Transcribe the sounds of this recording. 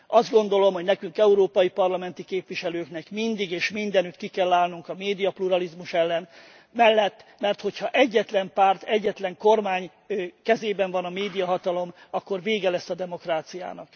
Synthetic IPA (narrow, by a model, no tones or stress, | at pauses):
ɒzd̪ɡo̞nd̪o̞lo̞mhoɟnɛkyŋkɛuɾoːpɒjipɒrlɒmɛnt̪ikeːpʋiʃɛløːknɛkmind̪iɡeːʃmind̪ɛnyt̪kikɛlːaːlnuŋkɒmeːd̪ijɒpluɾɒlizmuʃɛlːɛn | mɛlːɛt̪ːmɛrt̪ho̞chɒʔɛɟːɛt̪lɛmpaːrt̪ɛɟːɛt̪lɛŋko̞rmaːɲ | kɛzeːbɛɱvɒnɒmeːd̪ijɒɦɒt̪ɒlo̞mɒkːo̞rveːɡɛlɛsːɒd̪ɛmo̞kraːt̪sija̰ːnɒk